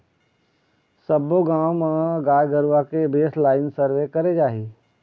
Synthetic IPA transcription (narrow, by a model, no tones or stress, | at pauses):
səboɡaːwmãɡaːjɡəɾakebeːslaːɪnsəɾʋekəɾed͡ʒaːɦiː